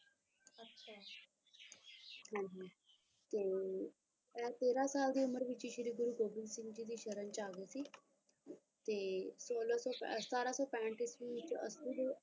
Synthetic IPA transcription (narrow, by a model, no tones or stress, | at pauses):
ɐɕa | ɦãɦã | t̪e | at̪eɾasald̪iːuməɾʋit͡ɕiːɕiɾiːɡuɾuːɡobilsiŋɡd͡ʑiːd̪iɕəɾənt͡ɕaaɡesi | t̪esolasɔpst̪aɾasɔpɛ̃ɳʈisʋit͡ɕiʔəsud̪